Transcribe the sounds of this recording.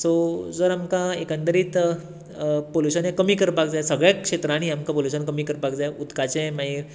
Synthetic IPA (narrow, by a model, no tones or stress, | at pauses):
sod͡zəɾamkaekə̃nt̪əɾiːt̪ | poluɕənẽkəmiːkəɾpak̚d͡zajsəɡɭjakʂet̪ɾaɽ̃iamkapoluɕənkəmiːkəɾpakd͡zajut̪kat͡sẽmãɦiːɾ